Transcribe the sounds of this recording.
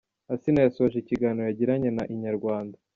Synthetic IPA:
asinajasoβaʒiciɡaːnojaɟiɾaɲe̞naʔiɲaɾɡwaːnda

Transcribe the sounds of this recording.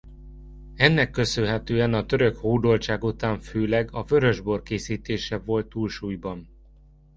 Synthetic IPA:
ɛnːɛkːø̞sønɦɛt̪øːɛnɒt̪ø̞ɾøkhoːd̪olt͡ʃaːɡut̪aːɱføːlɛɡɒvø̞ɾø̞ʒbo̞rkeːsiːt̪eːʃɛvo̞lt̪ːuːlʃuːjbɒn

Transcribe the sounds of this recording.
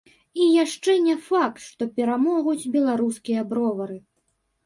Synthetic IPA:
ijaʂt͡ʂɛnʲɛfak̚t̪ʂt̪ɔpʲɛɾamɔɣud͡zʲbʲɛlˠaɾuskʲijɐbɾɔvɐɾɨ

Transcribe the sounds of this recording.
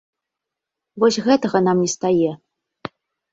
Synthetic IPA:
vɔsʲɣɛt̪ɐɣɐnamnʲɛst̪ajɛ

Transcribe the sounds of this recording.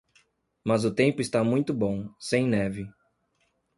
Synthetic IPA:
mɐzʊt̪ẽmpʊɪst̪amũj̃t̪ʊbõsẽj̃nɛvɪ

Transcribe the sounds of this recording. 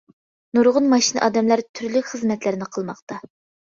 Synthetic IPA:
nuɾʁʊnmɑʃinɨʔɑːd̪ɛmlɑɾt̪ʰyɾlykʲχəzmɛt̪lɪɾnɪqʰəlˠmɑχt̪ɑ

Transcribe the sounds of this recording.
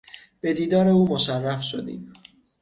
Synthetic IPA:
b̥e̞d̪iːd̪ɒːɾe̞uːmoʃærːæfʃo̰d̪ḭːd̪̥

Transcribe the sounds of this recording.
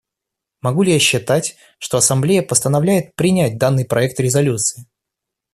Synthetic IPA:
mɐɡulʲɪjaɕːɪt̪atʲ | ʂt̪oɐsɐmblʲejəpəst̪ənɐvlʲæjɪt̪̚pɾʲɪnʲæt̚ʲd̪anːɨjpɾʔɐɛkt̪ɾʲɪzɐlʲut̪sɨ̥ɪ

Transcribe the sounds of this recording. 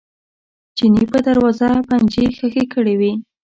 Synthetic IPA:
d͡ʒinipəd̪aɾwɑzaband͡ʒexəxekəɽewi

